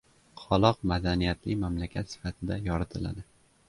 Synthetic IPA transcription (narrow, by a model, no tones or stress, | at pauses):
qʰɒlˠɒqmad̪anijat̪ʰlɪmamlakʲʰat̪sɪ̥fat̪ʰɪd̪ajɒɾɪt̪ʰɪla̰d̪ɪ